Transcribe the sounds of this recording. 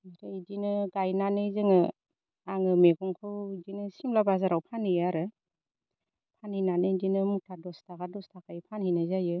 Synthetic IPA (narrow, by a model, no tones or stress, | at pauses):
aɾɯidinɯɡajnanɯzɯŋɯ | aŋɯmeɡɔŋkʰɯwdinɯsimlabazaɾawpʰanɯjaɾɯ | pʰaninanɯdinɯmutʰadɔstakadɔstʰakajpʰanhinɯzajɯ